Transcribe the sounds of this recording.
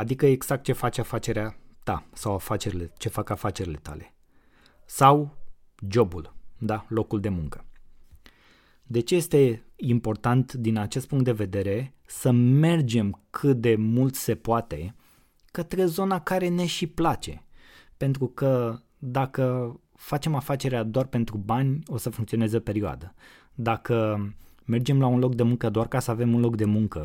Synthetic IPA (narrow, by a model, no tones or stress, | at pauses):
ad̪ikəeɡz̥ak̚t̪̚t͡ʃe̞fat͡ʃeafat͡ʃe̞ɾeat̪a̰sawafat͡ʃe̞ɾilet͡ʃe̞fakafat͡ʃe̞ɾile̞t̪a̰le̞̰ | saw | d͡ʒo̞buld̪alo̞kuld̪e̞muŋkə̥ | d̪e̞t͡ʃe̞je̞st̪e̞impo̞rt̪ant̪d̪inat͡ʃe̞st̪puŋkt̪d̪e̞ve̞d̪e̞ɾe̞ | səme̞rd͡ʒe̞mkʰɨt̪̚d̪e̞mult̪se̞poat̪e̞ | kət̪ɾe̞zo̞nakaɾe̞ne̞ʃiplat͡ʃe̞̰ | pe̞nt̪ɾukə | d̪akə | fat͡ʃe̞mafat͡ʃe̞ɾead̪oarpe̞nt̪ɾubanʲo̞səfuŋkt̪sio̞ne̞zepe̞ɾioa̰d̪ə | d̪akə | me̞rd͡ʒe̞mlaunlo̞k̚d̪emuŋkəd̪oarkasəave̞munlo̞kd̪e̞muŋkə